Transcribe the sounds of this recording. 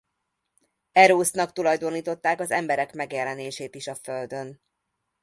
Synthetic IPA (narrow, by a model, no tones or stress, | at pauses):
ɛɾoːsnɒkt̪ulɒjd̪o̞niːt̪o̞t̪ːaːkɒzɛ̰mbɛɾɛkmɛɡjɛlɛneːʃeːt̪iʃɒfø̞ld̪ø̞n